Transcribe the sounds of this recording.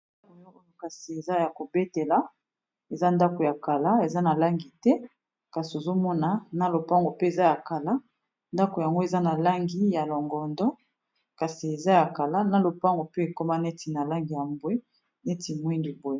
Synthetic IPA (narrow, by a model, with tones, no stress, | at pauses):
ko˨jɔ˦o˦jo˦ka˨si˨e˨za˦ja˨ko˨be˦te˨la˦ | e˨za˦nda˦ko˨ja˨ka˨la˦e˨za˦na˨la˦ŋɡi˨tɛ˦ | ka˨si˨o˨zo˦mɔ˦na˨na˦lo˨pa˦ŋɡo˨pe˦e˨za˦ja˨ka˨la˦ | nda˦ko˨ja˨ŋɡo˦e˨za˦na˨la˦ŋɡi˦ja˨lɔ˨ŋɡɔ˨ndɔ˦ | ka˨si˨e˨za˦ja˨ka˨la˦na˨lo˨pa˦ŋɡo˨pe˦e˨ko˦ma˦nɛ˦ti˨na˨la˦ŋɡi˨ja˨mbwe˦ | ne˦ti˨mwi˦ndi˨bo˦je˦˨